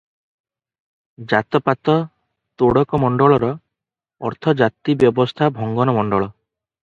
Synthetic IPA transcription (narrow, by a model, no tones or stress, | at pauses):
d͡ʒat̪ɔpat̪ɔ | t̪oɽɔkɔmɔɳɖɔɭɔɾɔ | ɔ̰ɾt̪ʰɔd͡ʒat̪ibjɔbɔst̪ʰabʱɔŋɡɔnɔmɔɳɖɔɭɔ